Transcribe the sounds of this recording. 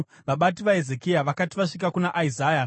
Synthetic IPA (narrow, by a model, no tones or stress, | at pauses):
ʋaɓatiʋae̞zekijaʋakatiʋaʂikakunaʔaizaːja